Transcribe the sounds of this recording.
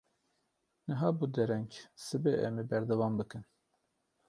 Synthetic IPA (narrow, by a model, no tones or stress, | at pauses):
nɨɦɑːbud̪ɛɾɛɲksɨbeʔɛmibɛɾd̪ɛvɑːmbɨkɨn